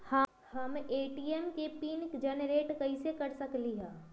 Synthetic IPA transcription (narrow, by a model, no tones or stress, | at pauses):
hə | həmeːʈiɛmkepiːnkd͡ʒɛnɾeːʈkɐisekɐɾsɐkliɦɛ̃ː